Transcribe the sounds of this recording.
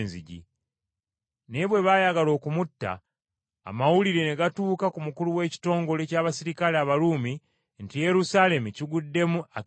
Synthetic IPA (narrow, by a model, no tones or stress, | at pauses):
nziɟḭ | ne̞βwe̞βaːjaɡalo̞ːkumutːa̰ː | mawuliɾe̞ne̞ɡatuːkakumukuluwe̞ːci̥to̞ːŋɡo̞le̞caːβasiɾikaleaβaluːmi | ntije̞ɾusaːle̞muciɡudːe̞mua